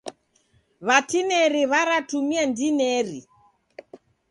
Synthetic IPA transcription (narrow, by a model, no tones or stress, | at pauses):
βatinɛɾiβaɾatumiandinɛɾi